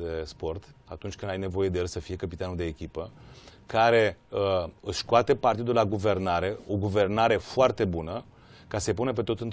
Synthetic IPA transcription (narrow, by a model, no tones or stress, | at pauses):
espo̞rt̪a̰t̪unt͡ʃʲkɨnajne̞vo̞je̞d̪eelsəfije̞kəpit̪anud̪eːkʲipəkaɾe̞əɨʃkoat̪e̞part̪id̪ulaɡuve̞rnaɾe̞o̞ɡuve̞rnaɾe̞foart̪e̞bunə | kasəepunepe̞t̪ot̪ɨnt̪